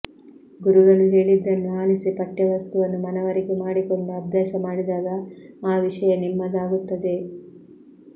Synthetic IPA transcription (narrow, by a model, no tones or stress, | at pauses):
ɡuɾuɡɐɭuɦeːɭid̪ːɐnːuaːlisipɐʈːjɐʋɐst̪uʋɐnːumɐnɐʋɐɾikumaːɽiko̞ɳɖuɐbʱjaːʃɐmaːɽid̪aːɡɐaːʋiʂɐjɐnimːɐd̪aːɡut̪ːɐd̪e̞